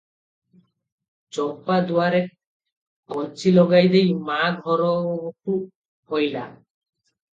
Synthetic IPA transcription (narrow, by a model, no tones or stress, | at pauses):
t͡ɕɔpːad̪uwaɾe | kɔt͡ʃilɔɡajd̪ejmaɡʱɔɾɔku | hojla̰